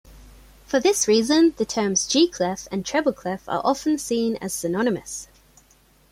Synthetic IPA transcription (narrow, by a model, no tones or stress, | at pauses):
fəðɪsɹiːzə̃nðətʰɜːmzd͡ʒiːkʰl̥ɪfə̃ntʰɹ̥ɛbəlˠkʰl̥ɪfə̰ɹʔɒfə̃nsĩːnə̰z̥sənɒnɪmə̰s